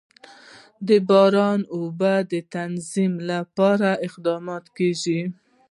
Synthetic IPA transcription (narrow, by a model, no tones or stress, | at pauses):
d̪əbɑɾɑnobad̪ət̪anzimlapɑɾaɪqd̪ɑmɑt̪keʒi